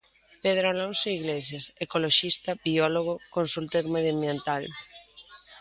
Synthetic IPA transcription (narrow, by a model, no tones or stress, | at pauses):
peð̞ɾoalõnsoiɣles̬jasekoloʃist̪abiɔloɣ̞okonsult̪eɾmeðjambjẽnt̪al